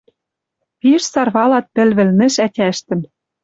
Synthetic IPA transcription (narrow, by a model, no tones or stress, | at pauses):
piʃsɑrβɑlɑt̪̚pɘ̆lβɘ̆lnɘ̆ʃætʲæʃt̪ɘ̆m